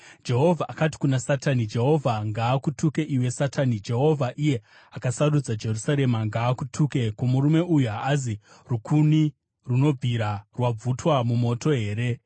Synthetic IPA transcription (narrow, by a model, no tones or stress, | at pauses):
d͡ʒe̞ɦo̞vʱaʔakati̥kunasatanid͡ʒe̞ɦo̞vʱaŋɡaːkutuke̞ʔiwe̞satʰanid͡ʒe̞ɦo̞vʱaʔije̞ | akasarud͡zad͡ʒe̞rusaɾe̞maŋɡaːkutʰuke̞komuɾume̞ʔujuɦaːzi | rukʰuni | runo̞b͡vʱiɾarwab͡vutwamumo̞to̞ɦe̞ːɾe̞